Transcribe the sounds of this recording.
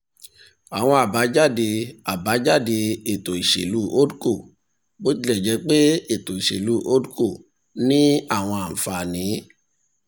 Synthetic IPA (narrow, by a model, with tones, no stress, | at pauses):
a˨w̃ɔ̃˧a˨ba˨˦d͡ʒa˦˨de˧a˨ba˨˦d͡ʒa˦˨de˧e˦˨to˨i˨ʃḛ˨lu˦ʔo˦du˦ko˦˨ | bo˦ti˦lɛ˦˨d͡ʒɛ˨˧˦k͡pe˦e˦˨to˨i˨ʃḛ˨lu˦ʔo˦du˦ko˦˨ | nĩ˦a˦˨w̃ɔ̃˧a˨fa˧˨nĩ˨˦